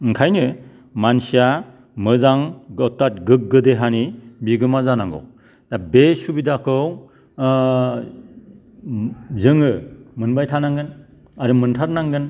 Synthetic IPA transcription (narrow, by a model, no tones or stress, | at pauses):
ŋkʰajnɯ | mansija | mɯzaŋɡɔtːat̚ɡɯk̚ɡɯdeɦanibiɡɯmazanaŋɡɔ̰ | d̥abesubidakʰɯw | zɯŋɯmɯnbajtʰanaŋɡɯn | aɾɯmɯntʰaɾnaŋɡɯn